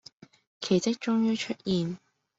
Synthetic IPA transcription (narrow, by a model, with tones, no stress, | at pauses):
kʰe˨˩jt͡sɪ˥k̚t͡ʃʊ˥ŋjyː˥t͡ʃʰɵ˥t̚jiː˨n